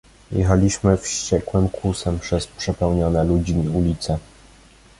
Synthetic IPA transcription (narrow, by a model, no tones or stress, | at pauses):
jɛ̰xalʲiɕmɘfɕt͡ɕɛkwɘmkʰusɛmpʂɛspʂɛpɛwɲɔnɛlud͡ʑiiulʲit̪sɛ